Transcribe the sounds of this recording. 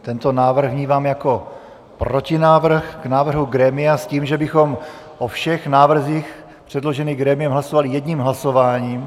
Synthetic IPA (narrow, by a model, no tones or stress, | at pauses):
t̪ɛnt̪onaːvr̩ɣvɲiːvaːmjako̞ | pɾocɪnaːvr̩xɡ̥naːvr̩ɦuɡɾɛːmɪasciːmʒɛbɪxo̞m | ʔofʃɛxnaːvr̩ziːx | pr̝̥ɛdlo̞ʒɛniːɡɾɛːmɪjɛmɦlasovalɪjɛdɲiːmɦlaso̞vaːɲiːm